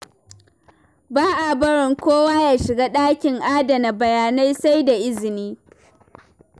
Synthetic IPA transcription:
baː˦ʔa˨bɐ˦ɽɪ˨ŋkʷoː˦waː˦jaː˨ʃɪ˨ɡaː˦ɗaː˦kʲɪ˨ŋʔaː˦dɐ˨na˨bɐ˨jaː˨na˦jsa˦jda˨ʔɪ˦zɪ˨niː˦

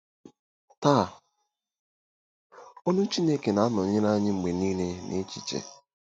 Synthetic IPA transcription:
taː˦˨ | ɔ˦nʊ˦t͡ʃi˦ne˦ke˨na˨a˦nɔ˨ɲɪ˦na˦ɲɪ˦ŋ͡m̩˨ɡ͡be˨niː˦ne˦nʔḛ˦t͡ʃi˨t͡ʃḛ˨

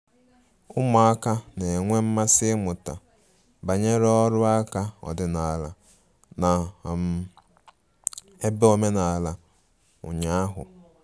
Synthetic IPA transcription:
ʊ˦mɔ˨a˦ka˦ne˨ŋʷe˦m̩˦ma˦sɪ˦mʊ˨ta̰˨ | ba˨ɲe˦ɾe˦ɔ˦ɾʊ˦a˦ka˦ɔ̰˨dɪ˦na˨la˨ | na˨m̩˨ | e˦be˦o˦me˦na˨la˨ | ʊ̰˨ɲa˦a˦ɦʊ̰˨

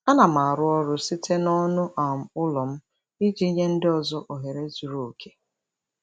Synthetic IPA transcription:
a˦na˨ma˨a˨ɾʊ˦ɔ˦ɾʊ˦si˦tʰe˦nɔ˦nʊ˦ʔa˨m̩˨ʊ˦lɔ˨m̩˦ | i˦d͡ʒi˦ɲe˦n̩˦dɪ˦ɔ˨zɔ˦ʔo˨ɦe˨ɾe˦zu˨ɾo˨o˨kʰe˦

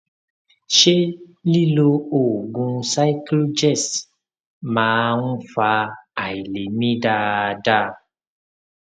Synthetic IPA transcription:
ʃe˦li˦lo˧o˨ɡũ˧sa˦klu˦d͡ʒɛ˦˨s | mãː˨˦nũ˦fa˧a˨i˨le˨mĩ˦da˧˨da˦

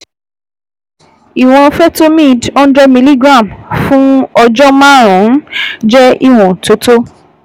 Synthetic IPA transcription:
i˨w̃ɔ̃˧fɛ˦to˦mĩ˦˨dɔ̃˦n˦dɾɛ˧mĩ˧li˦ɡɾã˦˨mfũ˦ɔ˧d͡ʒɔ˦mã˦ɾ̃ɔ̃˨˦d͡ʒɛ˦i˦˨w̃ɔ̃˨to˨˦to˦

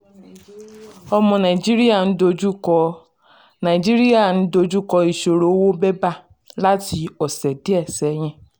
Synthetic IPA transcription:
ɔ˧mɔ̃˧nã˨i˨d͡ʒi˦ɾi˦a˦˨n̩˦do˧d͡ʒu˦kɔ˧ | nã˨d͡ʒi˦ɾi˦a˦˨ñ̩˦do˧d͡ʒu˦kɔ˧i˨ʃo˨ɾo˨˦wo˦bɛ˦ba˦˨ | la˦ti˧ɔ˨sɛ˨di˨˦ɛ˦˨sɛ˨˦ɲ̃ɛ̃˦

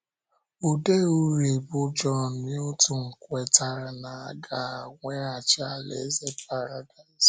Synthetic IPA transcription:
u˨de˦u˦ɾe˨bʊ˦d͡ʒɔ˦˨ni˦o˦tu˦ŋ̩˨kʷɛ˨ta˨ɾa˨na˨a˨ɡa˨a˨ŋʷe˦a˨t͡ʃa˦a˦˨lḛ˨˦ze˦pa˦ɾa˨da˨ɪ˨zs

